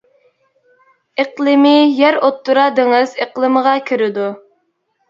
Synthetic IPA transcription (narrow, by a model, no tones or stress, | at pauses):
eqlˠɨmɪjæɾot̪ːuɾɑd̪eŋɪzeqlˠɨməʁɑkʲʰiɾɪd̪u